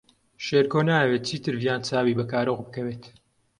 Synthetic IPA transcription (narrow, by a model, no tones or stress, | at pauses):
ʃeːɾkoːnaːɐwet̪̚t͡ʃiːt̪ɨɾvjaːnt͡saːwiːbɐkaːɾoɣbɨkɐweːt̪